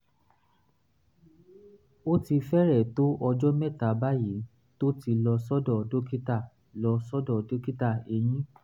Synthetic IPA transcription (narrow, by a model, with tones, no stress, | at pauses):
o˦ti˧fɛ˦ɾɛ˦˨to˦ʔɔ˧d͡ʒɔ˦mɛ˦ta˨ba˦ji˨˦ | to˦ti˧lɔ˧sɔ˦dɔ˦˨do˦ki˦ta˦˨ | lɔ˧sɔ˦dɔ˦˨do˦ki˦ta˦˨e˨j̃ĩ˦